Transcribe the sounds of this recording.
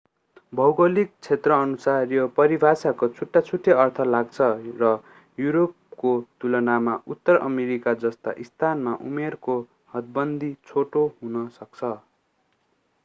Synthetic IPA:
bʱʌwɡʌlik̚t͡sʰet̪rʌːnusarjʌpʌɾibʱasakot͡sʰuʈːat͡sʰuʈʰːeʌrt̪ʰʌlaɡt͡sʰʌrʌ | juɾop̚kot̪ulʌnamaʔut̪ːʌrʌ̰meɾikad͡zʌst̪a̰ʔist̪ʰanmaʔumerko | hʌd̪̚bʌnd̪ʱit͡sʰoʈoɦunʌsʌk̚t͡sʰʌ

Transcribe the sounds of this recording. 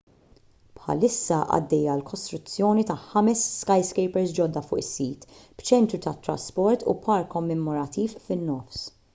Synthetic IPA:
pħɐ̰lɪsːɐʔɐ̰d̪ːɛjːɐlkʰɔst̪ɾʊt͡sːjɔːnit̪ɐħɐmɛsːkɐjskɛjpɛɾsd͡ʒɔd̪ːɐfʊːʔɪsːiːt̪b̥t͡ʃɛnt̪ɾut̪ɐt̪ːɾɐ̰spɔɾt̪ṵpʰɐɾkɔmːɛmɔɾɐt̪iːfːɪnːɔfs

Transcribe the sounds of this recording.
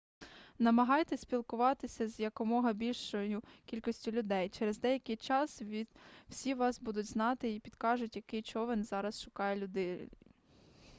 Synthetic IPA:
nɐmɐɦɑjt̪ɛsʲpʲilˠkʊʋɑt̪ɪsʲɐzjɐkɔmɔɦɐbʲilʲʃɔjʊkʲilʲkɔsʲtʲʊlʲʊd̪ɛjt͡ʃɛɾezd̪ɛjɐkɪjt͡ʃɑsʋʲid̪w̥sʲiʋɑsbud̪ʊtʲznɑt̪ɪipʲid̪̥kɑʒʊtʲjɐkɪjt͡ʃɔʋɛnzɑɾɐsʃʊkɑjɛlʲʊd̪ɪ

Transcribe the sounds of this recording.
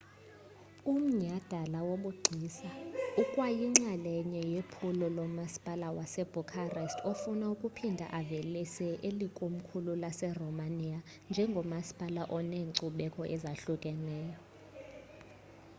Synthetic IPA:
um̩ɲad̥ʱalawoɓuɡ͡ǀʱiːsaukʼwajiŋ͡ǀalɛɲɛjepʰulɔlɔmasi̥pʼalawasɛb̥ʱukʼʰarɛstʰofunaukʼupʰindʱa̰ʔavelisɛʔelikʼom̩kʰululasɛrɔmania | nd͡ʒʱɛŋɡʱɔmasi̥pʼalaʔɔneːǀuɓɛkʼɔʔɛzaɬukʼɛnɛːjɔ

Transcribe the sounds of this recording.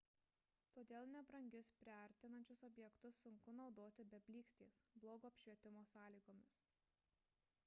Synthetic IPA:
t̪oːd̪ʲeːlˠnʲɛbɾɐŋʲɡʲʊspʲɾʲɪɐɾʲt̪ʲɪnɐnʲt͡ʃʲʊsɔbʲjɛkt̪ʊsːʊŋkʊnɒʊd̪oːt̪ʲɪbʲɛbʲlʲiːksʲt̪ʲḛːsblˠoːɡoːɐpʲʃʲʋʲiɛt̪ʲɪmoːsɑːlʲiːɡoːmʲɪs

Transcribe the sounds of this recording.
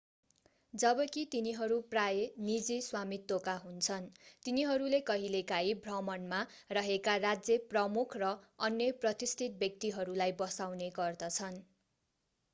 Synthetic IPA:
d͡zʌbʌkit̪iniɦʌɾuprajenid͡ziswamit̪ːokaɦunt͡sʰʌnt̪iniɦʌɾulekʌɦilekaibʱrʌmʌnma | rʌɦekarad͡zjʌprʌmukʰrʌʌnjʌprʌt̪ist̪ʰit̪̚bjʌk̚t̪iɦʌɾulajbʌsawneɡʌrd̪ʌt͡sʰʌn

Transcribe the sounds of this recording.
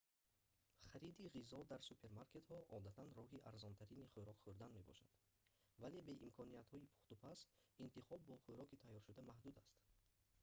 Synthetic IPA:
χaɾid̪iʁizɔd̪aɾsupʰe̞ɾmaɾke̞t̪hɔʔɔd̪at̪ʰanrɔɦiʔaɾzɔnt̪ʰæɾiniχuɾɔkχuɾd̪anme̞bɔ̰ʃad̪̥ | vale̞be̞ʔimkʰɔnijat̪hɔipʰu̥χt̪upʰasint̪iχɔbːɔχuɾɔkit̪ʰajːɔɾʃud̪amahd̪ud̪ast̪

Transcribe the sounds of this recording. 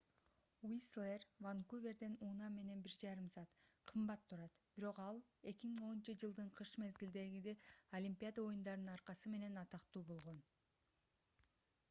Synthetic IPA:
wislˠervaŋkuvʲe̞ɾd̪enuːnɑmːe̞ne̞nbiɾd͡ʒɑɾɯmsɑːt̪qʰɯmbɑt̪ʰːuɾɑt̪b̥iɾo̞qɑlˠe̞kʲimiŋo̞nunt͡ʃɯd͡ʒɯlˠd̪ɯɴqʰɯʃme̞zɡild̪e̞ɡid̪eolʲimʲpʲijad̪ao̞jund̪ɑɾɯnɯnɑɾqɑsɯme̞ne̞nɑt̪ɑqt̪uːbo̞lˠʁo̞n

